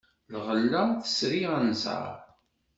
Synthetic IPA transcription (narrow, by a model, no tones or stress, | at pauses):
lʁəlːəθə̥sɾiʁænzə̰ɾˤ